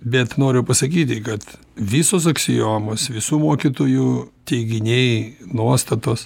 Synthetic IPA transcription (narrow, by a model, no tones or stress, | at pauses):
bʲɛt̪noːɾʲʊpɐsɐkʲiːt̪ʲɪkɐt̪ | ʋʲɪsoːsɐksʲɪjoːmoːsʋʲɪsuːmoɔkʲɪt̪oːjuːt̪ʲɛɪɡʲɪnʲejnuɔst̪ɐt̪oːs